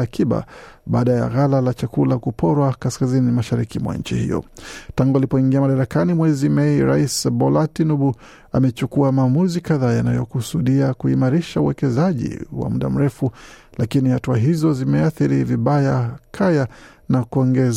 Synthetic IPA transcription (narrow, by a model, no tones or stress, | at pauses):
akʰiɓa̰ | ɓaːɗaja̰ɣalalat͡ʃakulakupʰɔɾwakaskazinimaʃaɾikimwa̰nɲ̩t͡ʃḭhḭjɔ̰taŋɡualipɔiŋɡiamaɗaɾakanimwɛzimɛiɾa̰isbɔlatinuɓu | a̰mɛt͡ʃukuamaːmuzikaðaːjanajɔkusuɗiakuimaɾiʃauwɛkɛzaʄḭwa̰muɗa̰m̩ɾɛfulakinihatuaɦizɔzimɛaθiɾiviɓajakʰaja | nakuɔŋɡɛz